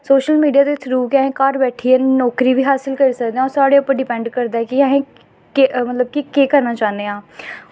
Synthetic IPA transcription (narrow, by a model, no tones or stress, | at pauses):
soːʃəlmiːɖijaːd̪eɪt̪ʰɾuːkɪaɦẽːkaːɾbɛːʈʰiːɛːnɔːkɾiːbʱiːɦaːsɪlkəɾiːsək̚d̪ẽːãɔːɾsaːɽeːʊpːəɾɖɪpɛ̃ːɳɖkəɾd̪aːɛkɪəɦẽː | kemət̪ləb̚kikeːkəɾnaːt͡ʃaːnd̪eːãː